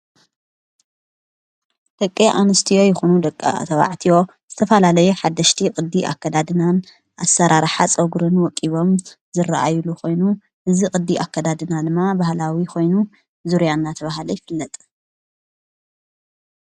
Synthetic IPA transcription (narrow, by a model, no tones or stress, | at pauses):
d̪̥ɐkʼːeʔanɨst̪ʰijo̞jɪxunud̪ɐkʼːa̰t̪ʰɐβa̰ʕt̪ʰijo̞ | z̥ɨt̪ʰɐfɐlalɐjuħad̪ːɐʃt̪ʰikʼɨd̪ːiʔa̰kːɐd̪ad̪ɨnan | ʔasːɐɾaɾħat͡sʼɐɡɾɨnwɔkʼiβo̞m | zɨraʔa̰jlukʰo̞jnu | ʔɨzikʼɨd̪ːiʔakːɐd̪ad̪ɨnad̪ɨmːabahlawikʰo̞jnu | zuɾjanːat̪ʰɐβahalojɪfɨlːɐt̪ʼ